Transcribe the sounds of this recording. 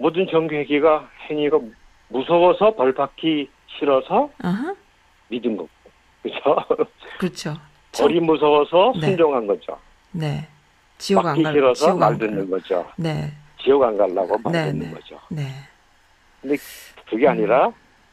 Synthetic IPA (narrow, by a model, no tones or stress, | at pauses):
modɯnt͡ɕʌŋɡjoɦeɡiɡaheŋiɡa | musʰʌbʌsʰʌpʌɭbakʰi | ɕʰiɾʌsʰʌaɦa | midɯnɡʌk̚o | kɯt͡ɕʰokɯt͡ɕʰo | pt͡ɕʰʌɾimusʰʌbʌsʰʌsnʰeund͡ʑoŋɦanɡʌd͡ʑo̰ | ne̞ | t͡ɕijʌaɡaŋkʰiɡaiɾʌsʰʌʌɡmaɭdɯnːɯnɡʌd͡ʑo̰ne̞ | t͡ɕijʌɡanɡalːa̰ɡomanedɯnḛɡʌ̰d͡ʑo̰ne̞ | kɯndekɯɡeaɲiɾa